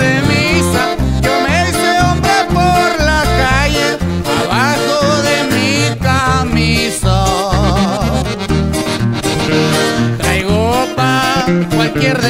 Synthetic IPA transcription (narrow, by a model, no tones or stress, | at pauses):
emisa | d͡ʒomeseombɾapoɾlakaʝe | aβaxoðemikamiso | t̪ɾajɣopakwalkjeɾð